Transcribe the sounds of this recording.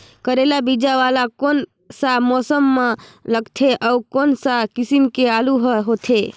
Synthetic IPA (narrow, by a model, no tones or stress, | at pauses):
kəɾelabid͡ʒaʋalakon | samɔsəmːeləɡt̪ʰeʔɔukonsakisimkealuɦəɦot̪ʰe